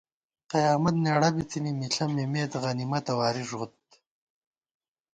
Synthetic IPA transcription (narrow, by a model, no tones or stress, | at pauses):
qɐjaːmɐt̪neːɽɐbit͡sinimiɬʰɐmemeːt̪ʁɐnimɐt̪ɐwaːɾiʐʁut̪